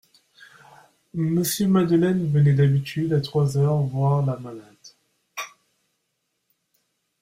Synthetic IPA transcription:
məsjømad̪əlɛnvənɛd̪abit̪ʰyd̪at̪χwazœʁvwaʁlamalad̪̥

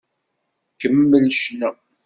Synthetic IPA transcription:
kəmːəlʃnæ

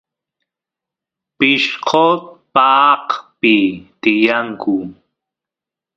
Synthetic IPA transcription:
pɪʃqʰot̪̚paːqpɪt̪ɪjaŋkʰu

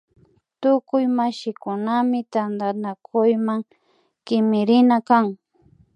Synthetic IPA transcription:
t̪ʊkʊjmaʃɪkʊnamɪt̪and̪anakʰʊjmaŋ | kɪmɪɾɪnakaŋ

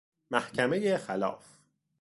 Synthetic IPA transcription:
mæhcʰæme̞jexælɒ̰ːf

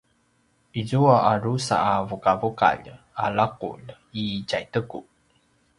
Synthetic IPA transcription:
ʔizuaʔarusa̰avukavuka̰ʎ | alaqṵʎ | icajtəku

